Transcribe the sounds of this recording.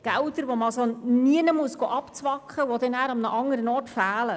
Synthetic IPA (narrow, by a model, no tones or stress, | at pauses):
ɡ̥æwdəɾʋoməɑlsoniənəmuəsɡ̥oːʔɑpt͡sʋɑkχəʋɔd̥̪ɛnæːɾɑmnəʔɑŋːəɾənɔːrtfæːlə